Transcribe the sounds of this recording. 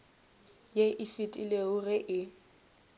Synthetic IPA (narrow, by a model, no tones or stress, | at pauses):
jeʔɪfɪtʼileʊɣɪʔɪ